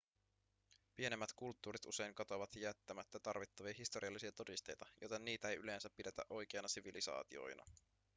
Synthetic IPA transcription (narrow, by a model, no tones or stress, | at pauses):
pie̞nemːæt̪kult̪ːuːɾit̪ṵse̞jŋkɑt̪o̞ʋɑt̪jæt̪ːæmæt̪ːæt̪ɑrʋit̪ːɑʋiɑɦist̪oɾiɑlːisiɑt̪o̞dist̪e̞jt̪ɑjojt̪enːiːt̪æejʔyle̞ːnsæpːidet̪æ̰ʔo̞jk̟eɑnɑsiʋilisɑ̰ːt̪io̞̰jnʔɑ̰